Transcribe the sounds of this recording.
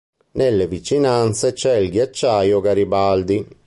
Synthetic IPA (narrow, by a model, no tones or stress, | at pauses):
nelːevit͡ʃinant̪set͡ʃɛilɡjat͡ʃːajʊɡaɾibald̪i